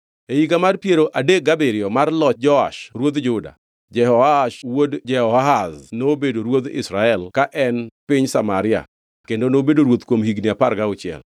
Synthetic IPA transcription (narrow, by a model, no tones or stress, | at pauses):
eiɡamarpjeɾoʔadek̚ɡabeɾɪɔmarlɔd͡ʒɔa̰ʃɾwod̪d͡ʒʊda̰ | d͡ʒɛhɔaaʃwodd͡ʒɛhɔaɦaznobedoɾwod̪ɪ̰sɾaɛlkaʔɛnpɪɲsamaɾɪa̰ | kendonobedoɾwot̪kwomhiɡniapaɾɡaʊt͡ʃɪɛ̰l